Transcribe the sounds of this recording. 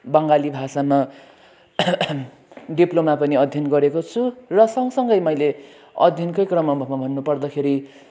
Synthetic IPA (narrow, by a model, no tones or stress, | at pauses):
bʌŋɡalibʱasama | ɖiplomapʌniʌd̪ʱjʌnɡʌɾekot͡sʰurʌsʌŋsʌŋɡʌjmʌjle | ʌ̰d̪ʱjʌnkʌjkrʌmʌmbʱʌmabʱʌnːupʌrd̪ʌkʰeɾi